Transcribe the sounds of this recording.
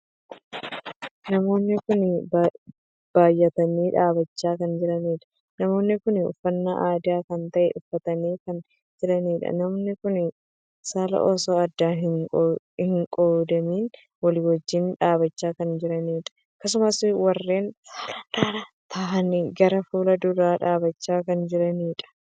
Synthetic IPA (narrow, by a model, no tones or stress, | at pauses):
nɐmo̞ːnːɪkʊnb | b̥aːjːɐt̪ɐniːᶑaːbɐt͡ʃːaːkɐnd͡ʒɪɾɐniːᶑɐ̥ | nɐmo̞ːnːɪkʊnʊ̰fːɐnːaʔaːd̪ɪaːkɐnt̪ɐʔɛ̰ʔʊfːɐt̪ɐniːkɐn | d͡ʒɪɾɐniːᶑɐ̰nɐmoːnːɪkʊnɪ | saːlɐ̰ʔɔsoːɐd̪ːaːɦɪ | hɪŋkʼoːd̪ɐmiːn | wɐliwɐd͡ʒːɪnᶑaːbɐt͡ʃːaːkɐnd͡ʒɪɾɐniːᶑɐ̥ | kːɐs̬ʊmɐswɐrːe̞ːnsaːlɐnᶑaːɾa | t̪ʰaːʔɐniɡɐɾɐfuːlɐd̪ʊɾaːᶑaːbɐt͡ʃːaːkɐnd͡ʒɪɾɐniːᶑɐ̥